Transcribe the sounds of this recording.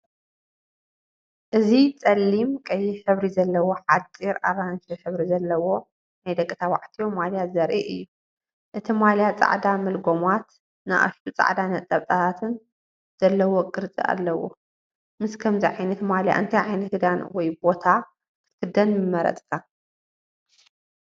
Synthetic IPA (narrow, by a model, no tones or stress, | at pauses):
ʔɨzit͡sʼɐlːimkʼɐjːɪħɨβɾizɐlːɐwoħat͡s̪ʼːiɾa̰βant͡ʃiħɨβɾizɐlːɐwo̞ | najd̪ɐkʼːɨt̪ʰawa̰ʕt̪ʰijomaljazɐɾʔḭʔɨjːu | ʔɨt̪ʰimaljat͡sʼa̰ʕd̪amɐlɡo̞mat̪ | na̰ʔa̰ʃt̪ʰut͡sʼa̰ʕd̪anɐt̪ʼːɐβt̪ʼat̪ʰat̪ʰɨn | z̥ɐlːɐwokʼɨɾt͡sʼḭʔa̰lːɐwo̰ | mɨskʰɐmziʕajnɐt̪malja̰ʔɨnt̪ʰajʕajnɐt̪hɨd̪anwɔjbo̞t̪ʰa | kʰɨ̥kʰɨd̪ɐnmɨmɐɾɐ̰t̪ʼkʰa